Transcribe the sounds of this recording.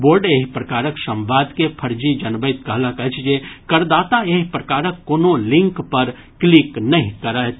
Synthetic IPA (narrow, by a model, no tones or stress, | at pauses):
boːɾɖeːɦipɾəkaːɾəksə̃mʋaːd̪kepʰəɾd͡ʒid͡ʒɐnbət̪̚kəɦləkət͡ʃʰd͡ʒekəɾd̪aːt̪aeːɦpɾəkaːɾəkːoːnolɪ̃ŋkpəɾ | kliknɐɦĩkəɾə